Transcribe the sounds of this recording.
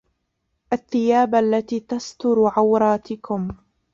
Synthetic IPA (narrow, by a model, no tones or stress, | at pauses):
ʔaθːɪjaːbʔalːat̪iːt̪ast̪ʊɾʕawɾˤɑːt̪ɪkʊm